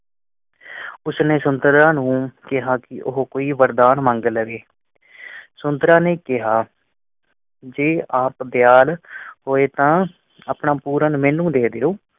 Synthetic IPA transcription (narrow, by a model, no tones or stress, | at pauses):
ʊsneːsʊnd̪ɾãːnũːkɪɦaːkɪʔʊɦkoːiːʋəɾd̪aːnmə̃ŋɡləʋeː | sʊnd̪ɾãːneːkɪɦaː | d͡ʒeːaːpb̪jaːlɦoːeːt̪ãː | aːpnãːpuːɾənmẽːnũːd̪eːd̪eːoː